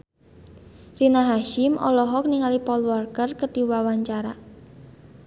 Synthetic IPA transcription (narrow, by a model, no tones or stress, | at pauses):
rinaɦaʃɪmʔɔ̰lɔɦɔk̚niŋalipɔlwɔrkərkəɖ̥iwawaɲt͡ʃaɾa̰